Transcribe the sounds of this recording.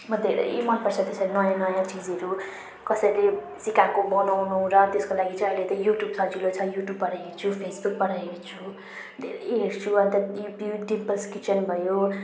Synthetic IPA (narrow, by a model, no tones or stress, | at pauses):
mʌd̪ʱeɾʌ̰j̰mʌlpʌrt͡sʰʌt̪esʌɾinʌjãnʌjãt͡sid͡zʌɾu | kʌsʌjle | sikakobʌnaw̃nuw̃ɾʌt̪eskolaɡit͡sʌ̃j̃ʌilet̪ʌjuʈjubsʌd͡zulot͡sʰʌjuʈjubpʌɾajɦet͡sʰupʰesbuk̚pʌɾajekt͡sʰu | d̪ʱeɾʌjɦeɾt͡sʰuʌnt̪ʌupjuɖimpʌlskit͡sʌnbʱʌjo